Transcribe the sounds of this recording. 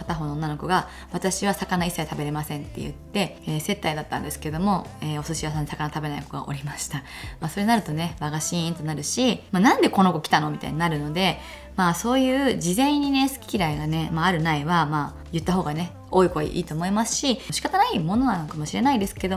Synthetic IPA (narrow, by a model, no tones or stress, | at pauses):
kat̪aɦo̞ːnonːano̞ko̞ɡa | βat̪aɕiβasakanaisːait̪abe̞ɾe̞masẽ̞nt̪ːe̞̰jɯ̰tt̪ːe̞ | eːse̞t̪ːaid̪at̪ːã̰nd̪e̞sɨ̥ked̪o̞mo̞eːosɨɕiβas̬ãɲːisakanat̪abe̞naiko̞ɡa̰ʔo̞̰ɾʲimaɕi̥t̪a | maːso̞ɾe̞naɾɯ̟t̪o̞ne̞βaɡaɕĩnt̪o̞naɾɯ̟ɕimaːnãnd̪e̞ko̞no̞ko̞kʲi̥t̪ano̞mʲit̪a̰iɲinaɾɯ̟no̞d̪e̞ | maːso̞ːjɯ̟ːd͡ʑizẽ̞ɲ̟ːine̞sɨ̥kʲi̥kʲiɾaiɡane̞maːɾɯ̟naiβamaː | jɯ̟t̪ːaɦo̞ːɡane̞ | o̞ːiko̞ɡa̰ʔḭːt̪o̞ːmo̞imasɨ̥ɕiɕi̥kat̪anaimo̞no̞nanokamo̞ɕiɾe̞naid̪e̞sɨ̥ke̞d̪o